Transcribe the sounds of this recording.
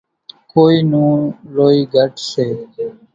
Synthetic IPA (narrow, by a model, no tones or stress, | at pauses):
koːiːnũːloːiːɡʱəʈseː